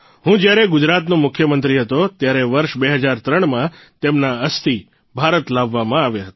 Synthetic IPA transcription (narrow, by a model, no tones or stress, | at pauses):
ɦũd͡ʒjaɾeɡʊd͡ʒɾat̪nõmʊkʰjəmənt̪ɾiɦət̪ot̪jaɾeʋəɾʃbeɦəd͡ʒaɾt̪ɾəɳ̃mã | t̪emnaəst̪i | bʱaɾət̪laʋːamãaʋjeɦət̪